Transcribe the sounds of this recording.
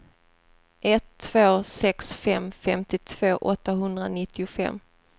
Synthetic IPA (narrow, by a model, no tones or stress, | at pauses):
ʔɛt̪ʰːv̥oːsɛksfɛmfɛmt̪ɪt̪ʰv̥oːʔɔt̪ːaɦɵnd̪ɾanɪt̪ːɪʊfɛ̰mː